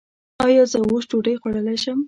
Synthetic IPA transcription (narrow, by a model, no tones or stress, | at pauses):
ɑjɑzəwoʃʈoɖəjxwaɽəlajʃəm